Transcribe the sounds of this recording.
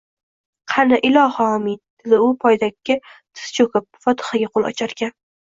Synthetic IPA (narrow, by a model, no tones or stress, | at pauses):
qʰɑnaʔɪlˠɒhaɒmɪd̪d̪ʰɪlɪʊpʰɒjd̪akʲːɪt̪ʰɪ̥st͡ʃʰokɪp̚fɒt̪ʰɪ̥χaɡʲaqʰolˠɒ̰t͡ʃʰaɾɡʲan